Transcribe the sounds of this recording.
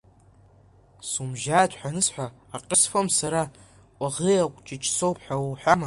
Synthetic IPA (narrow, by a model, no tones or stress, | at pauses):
sumʒaːtʰħʷᶣanɨsħʷaːqʼəsfomsaɾa | kʷʼaʁejakʷʼt͡ʃʼɪt͡ʃʼsowpʰħʷᶣawħʷᶣama